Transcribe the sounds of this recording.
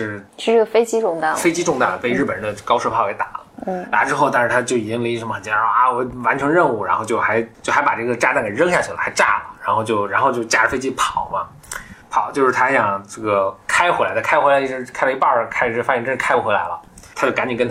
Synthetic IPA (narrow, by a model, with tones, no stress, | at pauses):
ʂɻ̩˥˩ʂɻ̩˥˧ʈ͡ʂɤ˥˩ɡə˩fe˥ɪt͡ɕi˥ʈ͡ʂʊ˥˧ŋt̪a˥˩fe˥ɪt͡ɕi˥ʈ͡ʂʊ˥˧ŋt̪a˥˩d̪ə˩pe˥˧ɪɻ̩˥˩pə˨˩nd̪ə˧kɑ˥ʊʂ̩˥˧pʰɑ˥˩ʊjɛ˧˥ɪt̪a˨˩˦lə̰˦la̰˧˥ʈ͡ʂɻ̩˥xo˥˧ʊt̪a˥˧nʂɻ̩˥˩t̪ʰa˥t͡ɕjo˥˩i˨˩˥nli˧˥ʂə˧˥mə˧xə˨˩nt͡ɕɛ˧˥˩a˥˩wɔ˧˩wa˧˥nʈ͡ʂʰɤ˧˥ŋɻə˥˧nu˥˩ɻa˧˥nxo˥˧ʊt͡ɕjo˥˩ʊxa˧˥ɪt͡ɕjo˥˩ʊxa˧˥ɪpa˨˩ʈ͡ʂɤ˥˩ɡə˩ʈ͡ʂa˥˧t̪a˥˩nke˨˩ɪɻɤ˥ŋɕja˥˩t͡ɕʰy˨˩la̰˨˩xa˧˥ɪʈ͡ʂa̰˥˩lə˩ɻa˧˥nxo˥˧ʊt͡ɕjo˥˧ʊɻa˧˥nxo˥˧t͡ɕjo˥˧t͡ɕja˥˩ɻə˧˩fe˥ɪt͡ɕi˥pʰɑ˨˩˦ʊmɐ˦ | pʰɑ˨˩˦ʊt͡ɕjo˥˧ʊʂɻ̩˥˩t̪ʰa˥ɕjɑ˨˩ŋʈ͡ʂɤ˥˩ɡə˩kʰa˥ɪ˧xwla˧˥ɪdə˧kʰa˥xwe˧˥lʈ͡ʂɻ̩˧˥kʰɪpe˧˥ɪpɑ˥˩kʰa˥˩ʂ̩˥˩fa˥ɛ˥˧˩ʈ͡ʂə˥ʂ̩˥˧kʰa˥ɪpu˧˩xwe˥ɪla̰˧˥ɪlə̰˧ | t̪ʰt͡ɕjo˥˩ka˧˥ni˨˩kə˥n˥